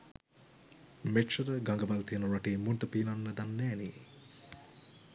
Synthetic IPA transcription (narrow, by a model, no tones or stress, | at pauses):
meʈʃəɾəɡaŋɡəʋalt̪ijənuɾaʈeːmunʈəpiːnanːəd̪anːɛːnḭ